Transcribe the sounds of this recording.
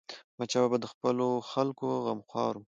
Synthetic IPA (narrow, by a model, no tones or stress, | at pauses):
mat͡ʃababad̪əxpəloxalkoɣamxwɑɾum